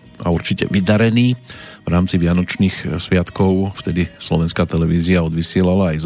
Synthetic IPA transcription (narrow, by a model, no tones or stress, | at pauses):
a̰uɾt͡ʃicɛ̰ʋid̪aɾɛniːʋɾaːmt͡siʋɪanɔt͡ʃniːxsʋɪat̪kɔʊft̪ɛd̪islɔʋɛnskaːt̪ɛlɛʋiːziaɔd̪ʋisɪɛlalaːjz